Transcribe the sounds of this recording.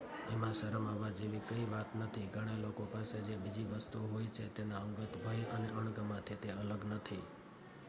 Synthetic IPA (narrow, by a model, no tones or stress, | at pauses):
emãʃəɾəmaʋad͡ʒeʋikəiʋat̪nət̪ʰiɡʱəɽ̃elokopased͡ʒebid͡ʒiʋəst̪uɦojt͡ʃʰet̪enaəŋɡət̪ʰbʱəjəneəɳ̃ɡəmãt̪ʰet̪eələɡnət̪ʰi